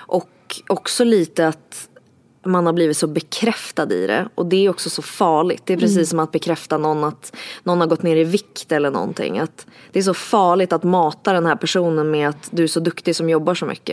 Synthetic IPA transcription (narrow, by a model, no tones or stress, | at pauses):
ʔɔk | ɔksɔliːt̪əat̪ | manhaɾbliːvɪt̪sɔbɛkʰɾɛft̪ad̪ɪ̰ɾɛ̰ʔɔd̪ɛæɾɔksɔsɔfɑːɭɪ̰t̪d̪ɛːpʰɾɛsiːs̬ːɔmat̪̚bɛkʰɾɛft̪anɔnːat̪nɔnːhaɾɡɔt̪neːɾɪvɪkt̪ɛlːəɳɔ̰nt̪ʰɪ̰ŋːat̪d̪̥ɛːʂ̬ɔfɑːɭɪt̪at̪mɑːt̪ad̪ɛnhæːɾpʰæʂuːnənmɛat̪d̪ɵæʂɔd̪ɵkt̪ɪsɔmjɔbːaʂɔmʏ̰kːə̰